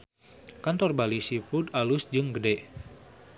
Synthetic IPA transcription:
kant̪ɔrbalisipud̪alusd͡ʒɨŋɡədɛ

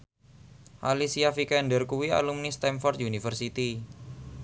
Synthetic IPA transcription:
ʔalisiafikɛnɖərkuwia̰lumnist̪ɛmfɔrt̪junifərsit̪i

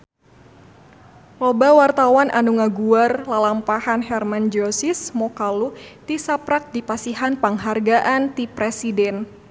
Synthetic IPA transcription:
lɔbawart̪awanʔanuŋaɡuarlalampahanhɛrmand͡ʒɔsismɔkalut̪isapɾak̚dipasiɦanpaŋɦarɡaʔant̪ipɾesidɛn

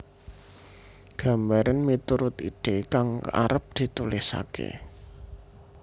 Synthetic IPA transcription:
ɡ̥a̤mbaɾanmit̪uɾʊt̪iɖ̥e̤kaŋa̰ɾəp̚d̪̥i̤t̪ulɪsa̰kḛ

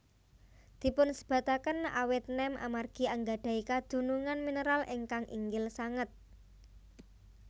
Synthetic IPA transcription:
d̪̥i̤pʊnsə̥b̥a̤t̪akəna̰wɪt̪̚nɛma̰marɡ̥i̤aŋɡaɖ̥a̤ikad̪̥ṳnuŋanminəɾalɪŋkaŋʔḭŋɡɪlsaŋət̪̚

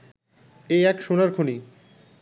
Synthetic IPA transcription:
eɛkʃonaɾkʰoni

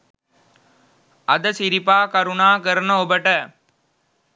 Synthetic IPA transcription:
ɐd̪ɐsɪɾɪpːaːkɐɾʊnaːkɐɾɐnɐɔbɐʈːɐ

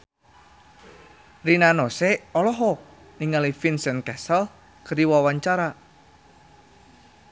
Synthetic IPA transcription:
rinanoseɔlɔɦɔ | niŋalifinsɛnkɛsəl | kərdiwawaɲt͡ʃaɾa

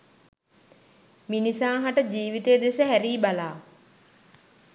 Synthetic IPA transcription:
minisaːɦaʈəd͡ʒiːʋit̪ejːd̪esəɦæɾiːbalaː

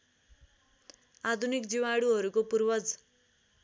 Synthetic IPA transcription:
ad̪ʱunikd͡ziwaɽuɦʌɾukopurbʌd͡z

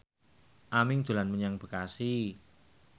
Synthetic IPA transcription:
ʔamɪŋd̥ʒ̥o̤lanməɲaŋb̥ə̤kasi

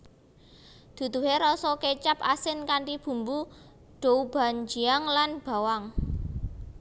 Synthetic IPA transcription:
d̪̥ṳd̪ṳɦeɾɔsɔket͡ʃap̚asɪnkaɳʈib̥ṳmbu | ɖ̥o̤ub̥a̤nd͡ʒi̤aŋlanb̥a̤waŋ

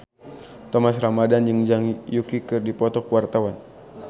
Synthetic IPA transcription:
t̪ɔmasramadand͡ʒəŋd͡ʒaŋjukikɨrdipɔt̪ɔkwart̪awan

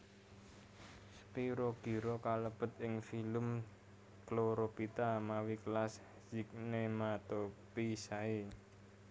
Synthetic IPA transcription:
spiɾoɡ̥i̤ɾokaləpət̪ɪŋfilʊm | kloɾopit̪amawiklas | d͡ʒɪk̚nemat̪opisai

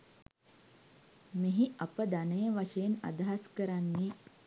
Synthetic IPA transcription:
meɦiapəd̪anəjəʋaʂəjena̰d̪ɐɦaskəɾanːi

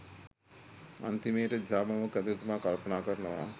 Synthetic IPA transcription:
ɐ̰nt̪imeːʈɐd͡ʒʱaːmɐʋɐkɐd̪ɐɾut̪umaːkɐlpɐnaːkɐɾɐɳɐʋa̰ː

